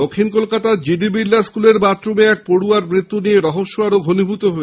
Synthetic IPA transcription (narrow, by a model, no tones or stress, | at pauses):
okʰːinkolkat̪ad͡ʑiɖibilːaskuleɾbat̪ːɾomeɛk̚poɽuaɾmɾit̪ːunieɾɔɦoʃːoaɾoɡʱonibʱut̪oɦoe